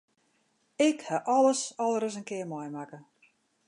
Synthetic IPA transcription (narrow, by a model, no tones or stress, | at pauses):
ɪkhaʔɔləsɔlˠəɾəsənkɪərmɔjmakə